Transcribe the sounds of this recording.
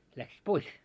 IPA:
læksis pois

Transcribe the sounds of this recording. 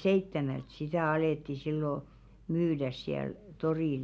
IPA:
seitːemælt sitæˑ ɑleˑtːi silːo myːdæs siæl toriˑl

